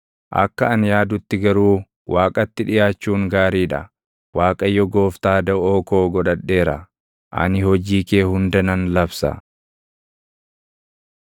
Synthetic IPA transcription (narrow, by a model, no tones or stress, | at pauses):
ʔɐ̰kːɐɐnjaːd̪ʊt̪ːɪɡɐɾuː | waːkʼɐt̪ːɪᶑɪjaːt͡ʃːuːŋɡaːɾiːᶑɐ̰ | waːkʼɐjːɔɡo̞ːft̪aːd̪ɐoːko̞ːɡɔᶑɐᶑːe̞ːɾɐ̰ | ʔɐ̰nɪhɔd͡ʒiːke̞ːhʊnd̪ɐnɐnlɐbsɐ̰